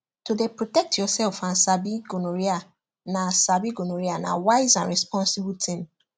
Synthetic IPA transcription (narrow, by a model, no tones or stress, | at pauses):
tudepɹotɛk̚tjɔsɛlfãnsabiɡonoɹia | nasabiɡonoɹiana̰waɪzãnɹɛspɔ̃nsibltʰĩm